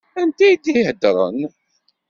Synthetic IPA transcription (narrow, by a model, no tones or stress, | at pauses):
ænt̪æjid̪ijhəd̪ɾˤə̰n